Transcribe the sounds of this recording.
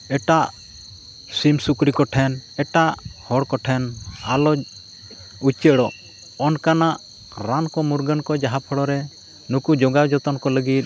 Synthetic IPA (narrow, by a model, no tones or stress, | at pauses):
ɛʈaʔ | simsukɾikɔʈʰɛnɛʈaʔhɔɽkɔʈʰɛnalɔ | ut͡ʃəɽɔʔ | ɔnkanaʔ | ɾankɔmuɾɡənkɔd͡ʒaɦapʰɔɽɔɾɛ | nukud͡ʒɔɡawd͡ʒɔt̪ɔnkɔləɡit̪̚